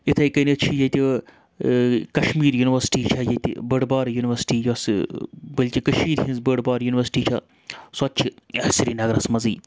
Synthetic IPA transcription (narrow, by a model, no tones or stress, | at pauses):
it̪ʰɐjkɐnit̪t͡ʃʰijɐt̪i | kɐʃmiːɾjuniʋɐɾsi̥ʈiːt͡ʃʰɐjɐt̪ḭbəɽbaːɾjuniʋɐɾsi̥ʈiːjosbɐlʲkʲikɐʃmiːɾɦĩnzbəɽbaːɾjuniʋɐɾsi̥ʈiːt͡ʃʰɐ | sɐt̪̚t͡ʃʰiɐsiɾiːnɐɡɾɐsmɐziː